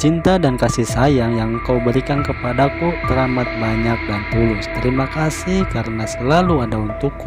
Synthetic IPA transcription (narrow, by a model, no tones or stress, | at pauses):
t͡ʃint̪adankasisajaŋjaŋkawbəɾikankəpadakut̪əɾamat̪̚baɲak̚dant̪ulʊst̪əɾimakasihkaɾənasəlaluadaunt̪ukːu